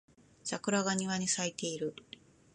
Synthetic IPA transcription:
sakɯ̟ɾaɡaɲ̟iβaɲ̟isait̪e̞iɾɯ̟

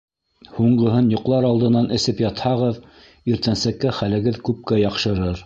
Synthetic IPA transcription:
huɴɢɤ̆ɦɤnjŏqlˠɑɾɑlˠd̪ɤ̆nɑnʔɘ̆sɘpjɑt̪hɑʁɤð | iɾt̪ænsækːæχælɘ̆ɡɘðkʉp̚kæjɑqʃɤ̆ɾɤɾ

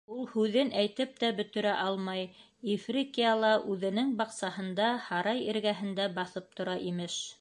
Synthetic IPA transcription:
ulˠhʉðɘnʔæjt̪ɘp̚t̪æbɵ̆t̪ɵ̆ɾæʔɑlˠmɑj | ifrʲikijɑlˠɑʔʉðɘ̆nɘŋbɑqsɑhɤ̆nd̪ɑhɑɾɑjĭɾɡæɦɘ̆nd̪æbɑθɤp̚t̪ŏɾɑʔimɘʃ

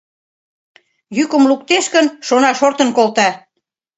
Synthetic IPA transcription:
jykə̆mluk̚t̪eʃkənʃonɑʃort̪ə̆nkolt̪ɑ

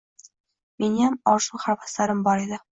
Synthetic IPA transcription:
menjamɒʃuχaɾvaslaɾɪmbɒɾed̪ɪ

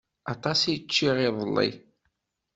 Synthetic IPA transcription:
ɑt̪ˤɑsit͡ʃːiʁɪðˤəlˤːḭ

